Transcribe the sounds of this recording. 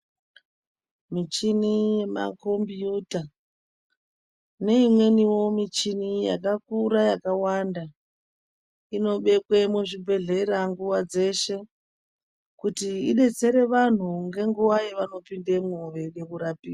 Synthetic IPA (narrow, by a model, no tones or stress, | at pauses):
mit͡ʃinije̞ma̰ko̞mbiuta | ne̞imwe̞niwo̞mit͡ʃinija̰kakuɾajakawanda | ino̞ɓe̞kwemuʐibʱe̞ɮe̞ɾaŋɡuwad͡ze̞ʃe̞ | kutiiɗe̞t͡se̞ɾe̞ʋan̤uŋɡe̞ŋɡuwajeʋano̞pindemoʋe̞ɗe̞kuɾapiːa